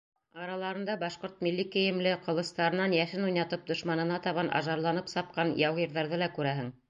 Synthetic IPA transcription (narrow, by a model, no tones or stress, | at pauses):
ɑɾɑlˠɑɾɤ̆nd̪ɑbɑʃqoɾt̪milːikɘ̆jɘ̆mlɘqɤ̆lˠɤ̆st̪ɑɾɤ̆nɑnjæʃɘnujnɑt̪ɤp̚d̪ŏʃmɑnɤ̆nɑt̪ɑβɑnʔɑ̰ʒɑɾlˠɑnɤpsɑp̚qɑnjɑwʁiɾðɑɾðɤlɑkʉɾæɦɘŋ